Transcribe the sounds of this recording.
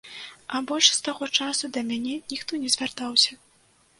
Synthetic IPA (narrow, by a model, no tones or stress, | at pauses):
ɐbɔlʲʂst̪aɣɔt͡ʂasud̪ɐmʲanʲɛnʲixt̪ɔnʲɛzʲvʲart̪awsʲɐ